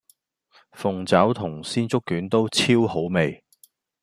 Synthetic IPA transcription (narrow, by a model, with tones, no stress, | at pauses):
fʊ˨ŋt͡sɐ˨˥wt̪ʰʊ˨˩ŋsiː˥nt͡sʊ˥kːyː˨˥nt̪o˥wt͡sʰiː˥who˨˥wme˨j